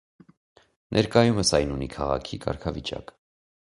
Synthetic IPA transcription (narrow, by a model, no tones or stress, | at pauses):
nʔɛɾkɑjuməsɑjnunikʰɑʁɑ̰kʰikɑ̰ɾkʰɑvit͡ʃɑ̰k